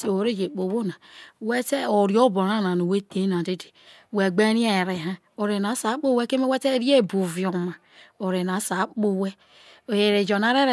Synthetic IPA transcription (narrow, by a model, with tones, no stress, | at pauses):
se˨wo˨ɾe˦d͡ʒe˨k͡po˨βo˦na˨we˦te˦o˨ɾi˨˦o˦bo˨ɾa˦na˨no˨we˦te˦na˨de˦de̥˨ | we˨ɡ͡be˦ɾi˦a˦˨e˨ɾe˨ɦa˦ | o˨ɾe˨n˨a˨˦sa˨˦k͡po˦we˦ke˦me˦we˦te˦ɾi˦e˦˨bu˨vi˨o˨ma˨ | o˨ɾe˨na˨˦sa˨˦k͡po˦we˦ | o˨je˨ɾe˨d͡ʒo˨na˨ɾe˦ɾe˨